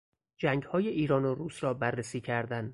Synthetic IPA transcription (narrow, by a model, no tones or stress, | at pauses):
d͡ʒæŋɡhɒːjeʔiːɾɒːnoɾuːsɾɒːbærːesiːcʰæɾd̪æn